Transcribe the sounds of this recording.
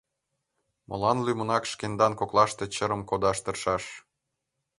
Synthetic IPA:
mʔɤ̰lɑnlymə̆nɑkʃkend̪ɑnkoklɑʃt̪e̽t͡ɕəɾə̆mkod̪ɑʃt̪ə̆rʃɑʃ

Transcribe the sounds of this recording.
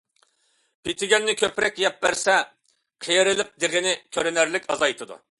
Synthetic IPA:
pʰit̪ʰɪɡʲɛnːɪkʲʰøpɾɛkʲjɛp̚bæɾsɛ | qʰejeɾɪlɪp̚d̪eʁɪnɪkʲʰøɾɪnæɾlɪkʲɑzɑjt̪ʰɨd̪ṵ

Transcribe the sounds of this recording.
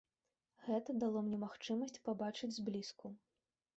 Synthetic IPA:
ɣɛt̪ɐd̪alˠɔmnʲɛmaxt͡ʂɨmɐsʲt͡sʲpabat͡ʂɨd͡zʲzʲblʲisku

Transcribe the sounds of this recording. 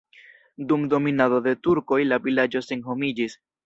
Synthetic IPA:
dumdo̞minado̞de̞tuɾko̞jlavilad͡ʒo̞se̞nɦo̞mid͡ʒis

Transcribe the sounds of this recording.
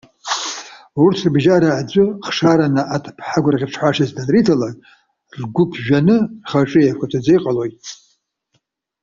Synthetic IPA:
urtʰrbʒaɾaʕd͡zʷɨχʂaɾanaʔatʰpʰħaɡʷraʁʲɪpʰʂħʷaʂazdanritʰalan | rɡʷʊpʰʒᶣanɨχaʈ͡ʂʼɨjapkʷʰatʰad͡zejqʼalojtʼ

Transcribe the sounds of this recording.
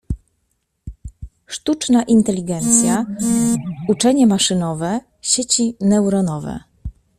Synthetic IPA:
ʂt̪ut͡ʂnaʔint̪ɛlʲiɡɛnt̪sʲja | ut͡ʂɛɲɛmaʂɘnɔvɛ | ɕet͡ɕinɛwɾɔnɔvɛ̰

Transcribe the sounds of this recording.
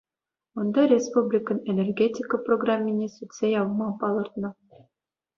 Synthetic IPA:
ond̪ɑɾʲespublʲikə̆nenʲerɡʲetʲikəproɡramʲːinʲesyt̪sʲejɑvɤmɑpɑlˠɤ̆rt̪nɤ̆

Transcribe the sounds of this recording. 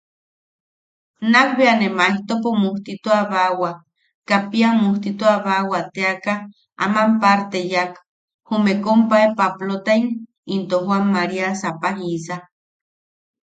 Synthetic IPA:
nakbeanemaiht̪opomuht̪it̪uaβawa | kapiamuht̪it̪uaβawat̪eaka | a̰mampaɾt̪ejak | humekompaepaplot̪aiŋ | int̪oɦwamːaɾiasapaɦisa

